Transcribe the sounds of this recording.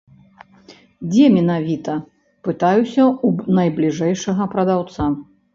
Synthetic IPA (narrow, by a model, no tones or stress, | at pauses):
d͡zʲɛmʲɛnavʲit̪ɐ | pɨt̪ajusʲɐunɐjblʲiʐɛjʂɐɣɐpɾɐd̪awt̪sa